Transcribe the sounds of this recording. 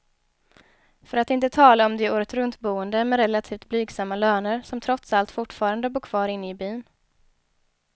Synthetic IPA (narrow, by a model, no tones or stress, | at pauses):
fœɾat̪ɪnt̪ət̪ʰɑːlaɔmd̪ɛuːɾət̪ɾɵnt̪buːənd̪əmɛɾɛlat̪ʰiːft̪̚blyːɡsamːaløːnəɾsɔmt̪ʰɾɔt̪salt̪fʊʈfɑːɾand̪əbuːkʰv̥ɑːɾɪnːɪbyːn